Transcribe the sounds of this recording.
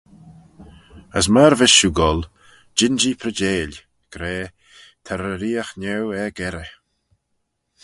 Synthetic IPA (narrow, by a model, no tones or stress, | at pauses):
əsməɾvɪʃuɡɔl | d͡ʒɪnd͡ʒipʰɾəd͡ʒeːlʲ | ɡ̥ɾeː | t̪ʰɛɾəɾiːaxnɛwɛɡɛɾə